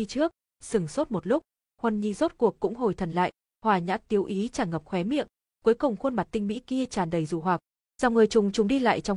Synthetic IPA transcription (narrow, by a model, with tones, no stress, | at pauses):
i˧t͡ɕɨ˦˥ək̚ | sɨ˨˧˩ŋso˦˥t̚mo˨˩t̚lʊ˦˥k͡p̚ | hwə˨˩nɲi˧˩zo˦˥t̚ku˨˩əkːʊ̰˧˥ŋ͡mɦo˨˩jt̪ʰə˨˩nla̰ː˧˨j | hwaː˨˩ɲa̰ː˧˥t̪i˨˦əwʔi˨˦t͡ɕaː˧˩ŋə˨˩p̚xwɛ˨˦mḭ˧˨əŋ | ku˨˦jkʊ˨˩wŋ͡mxwə˧nma˨˩t̚t̪ï˧ŋ̟mḭ˧˥ki˧ət͡ɕaː˨˩nɗə˨˩jzu˧˩ɦwaː˨˩k̚ | z̥aː˨˩ŋ͡mŋɨ˨˩əjt͡ɕʊ˨˩ŋ͡mt͡ɕʊ˨˩ŋ͡mɗi˧la̰ː˧˨jt͡ɕɔ˧wŋ͡m